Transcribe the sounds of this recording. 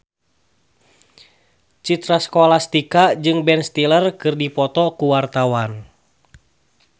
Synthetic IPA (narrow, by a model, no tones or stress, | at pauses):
t͡ʃit̪ɾaskɔlast̪ikad͡ʒɨŋbɛnst̪ilərkɨrdipɔt̪ɔkuwart̪awan